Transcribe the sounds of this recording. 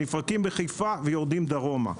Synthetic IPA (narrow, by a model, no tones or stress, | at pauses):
ifʁakimbeχejfavejo̞ʁd̪imd̪aʁo̞ma̰